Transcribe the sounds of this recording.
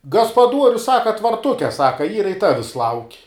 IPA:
ɡɐspɐˈduɔrʲʊs ˈsɑːkɐ tʋɐrˈtʊkʲɛ ˈsɑːkɐ ˈiːrɐ ɪ ˈtɑːʋʲɪs lˠɐʊkʲ

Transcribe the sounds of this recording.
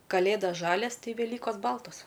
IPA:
kɐˈlʲeːdɐs ˈʒɑːlʲɛs ˈtɐɪ ʋʲɛˈlʲiːkoːs ˈbɐlˠtoːs

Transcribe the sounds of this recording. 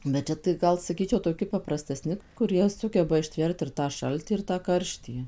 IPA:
bʲɛt ˈt͡ʃʲɛ tɐɪ ˈɡɐlˠ sɐˈkʲiːt͡ʃʲɛʊ toːˈkʲɪ pɐprɐsʲtʲɛˈsʲnʲɪ kʊˈrʲiɛ ˈsʊɡʲɛbɐ ɪʃʲˈtʲʋʲɛrt ɪr tɑː ˈʃɐlʲtʲɪ ɪr tɑː ˈkɐrʲʃʲtʲiː

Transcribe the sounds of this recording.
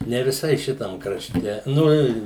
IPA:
nʲɛ ʋʲɪˈsɐɪ ˈʃʲɪtɐm krɐˈʃʲtʲɛ ˈnʊ ɪ

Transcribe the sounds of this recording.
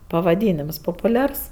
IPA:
pɐʋɐˈdʲiːnʲɪms poːpʊˈlʲɛrs

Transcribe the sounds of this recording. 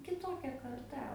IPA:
kʲɪˈtoːkʲɛ kɐrˈtɐ

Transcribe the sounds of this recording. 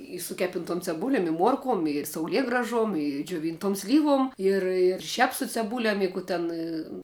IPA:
ɪ sʊ ˈkʲæːpʲɪntuɔm t͡sʲɛˈbʊlʲɛm ɪ ˈmuɔrkuɔm ɪr sɐʊˈlʲiɛɡrɐʒuɔm ɪ d͡ʒʲoːˈʋʲiːntuɔm ˈsʲlʲiːʋuɔm ˈɪr ɪr ˈʃʲɛp sʊ t͡sʲɛˈbuːlʲɛm ɪ ˈkuː tʲɛn

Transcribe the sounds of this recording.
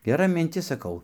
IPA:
ɡʲɛˈrɐ mʲɪnʲˈtʲɪs sɐˈkɐʊ

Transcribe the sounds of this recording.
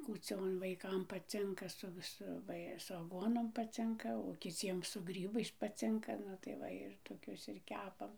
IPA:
kuːˈt͡sʲoːn ʋɐɪˈkɐm pɐˈt͡sʲɪŋkɐ sʊ ʋʲɪˈsʊ ˈʋɐ ɪ sʊ ɐˈɡuɔnoːm pɐˈt͡sʲɪŋkɐ oː kʲɪˈt͡sʲiɛm sʊ ˈɡrʲiːbɐɪs pɐˈt͡sʲɪŋkɐ ˈnʊ tɐɪ ˈʋɐ ɪr toːˈkʲʊs ɪr ˈkʲæːpɐm

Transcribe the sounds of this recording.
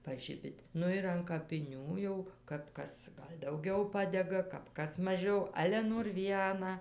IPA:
pɐˈʒʲɪbʲɪtʲ ˈnʊ ɪr ɐn kɐpʲɪˈnʲuː jɛʊ kɐp ˈkɐs ˈɡɐlʲ dɐʊˈɡʲɛʊ ˈpɑːdʲɛɡɐ kɐp ˈkɐs mɐˈʒʲɛʊ ˈɑːlʲɛ noːr ˈʋʲiɛnɑː

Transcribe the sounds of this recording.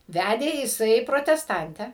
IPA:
ˈʋʲædʲeː jɪˈsɐɪ proːtʲɛsˈtɐnʲtʲæː

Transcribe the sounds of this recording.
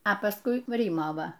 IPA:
ɐ pɐsˈkʊɪ ˈrʲiːmɐ ˈʋɐ

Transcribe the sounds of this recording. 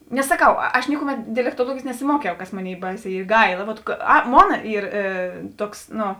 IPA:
nʲɛs sɐˈkɐʊ ɐʃ ˈnʲɪkʊˌmʲɛt dʲɛlʲɛktuɔˈlˠuɔɡʲeːjeːs nʲɛsʲɪˈmuɔkʲɛʊ kɐs ˈmoːˌnʲeːɪ ˈbɐɪˌsʲɛː ˈiː ˈɡɐɪlˠɐ ʋoːt ˈɐ ˈmoːnɐ ˈiːr ˈtuɔks nʊ

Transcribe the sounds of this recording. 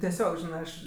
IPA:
tʲiɛˈsʲoːk ˈʒʲɪnɜ ˈɐʃ

